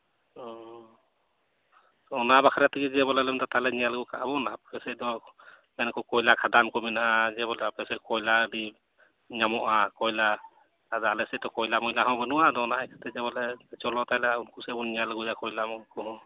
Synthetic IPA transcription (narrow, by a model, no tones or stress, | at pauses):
ɔ | ɔnabakʰaɾjat̪ʰiɡɛd͡ʒɛbɔlɛlɛmd̪ɔt̪alɛnijalɡukʰaʔabɔnap̚kʰɛsɛdɔ | mɛnkɔkɔjlakʰadankɔmɛnaʔad͡ʒɛβɔlɛapɛsɛkɔjladi | ɲamɔʔakɔjla | adɔalɛsɛdɔkɔjlamɔjlaɦɔ̃bənuadɔɔnaʔajkʰḁt̪ʰɛd͡ʒɛβɔlɛt͡ʃɔlɔt̪ajlaunkusɛbɔnnijalɡujakɔjlamɔkʰɔɦɔ̃